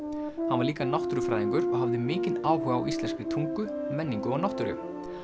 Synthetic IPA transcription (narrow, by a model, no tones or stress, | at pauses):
hanvaɾliːkanawht̪ʏɾʏfɾaːðiŋkʏɾɔɣɦavðɪmɪːcɪnaːwhœːɣaːwʔist̪lɛnskɾɪt̪ʰuŋkʏmɛnːiŋkʏɔɣnawht̪ʏɾʏ̰